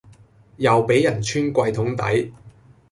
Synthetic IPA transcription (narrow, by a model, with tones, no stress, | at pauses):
jɐ˨wpe˨˥jːɐ˨˩nt͡ʃʰyː˥nkʷɐ˧jt̪ʰʊ˨˥ŋt̪ɐ̰˨˥j